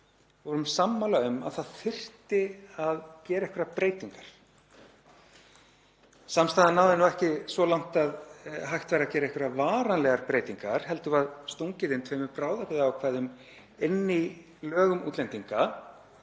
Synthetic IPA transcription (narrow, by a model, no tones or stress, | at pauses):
vɔɾʏmsamːalaʏma̰ðθaðθɪr̥t̪ɪaðcɛːɾaɛhkvɛɾapɾeːjt̪iŋkaɾ̥ | samst̪aːðɪnːaːwðɪnawɛhcɪsvɔlawŋ̥t̪aðɦajht̪vajɾacɛːɾaɛhkvɛɾavaːɾanlɛɣaɾpɾejt̪iŋkaɾ̥hɛlt̪ʏvaðst̪owŋcɪðɪnt̪ʰveːjmʏpɾaːwðapɪðaawkʰvaðʏm | enːɪ | lœːɣʏmṵːt̪lɛnt̪iŋka